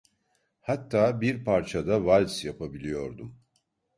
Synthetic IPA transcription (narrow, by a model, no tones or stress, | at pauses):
hat̪ʰːaːbiɾpʰaɾt͡ʃʰad̪avalʲsjapʰabilʲijo̞ɾd̪um